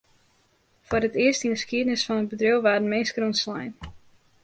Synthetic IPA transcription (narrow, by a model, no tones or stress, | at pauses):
fɔrətɪərstinəskiədənɪsfɔnətbədrøwʋaːɾnmeːnskrunslɛjn